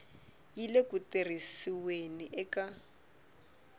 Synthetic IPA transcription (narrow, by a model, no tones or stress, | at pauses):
jilekuter̤isiweniʔɛka